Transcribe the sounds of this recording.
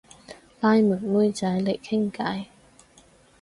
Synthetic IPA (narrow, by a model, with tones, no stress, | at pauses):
laː˧jmu˨˩nmu˥jt͡sɐ˨˥jlɪ˨˩kkʰɪ˥ŋka˨˥j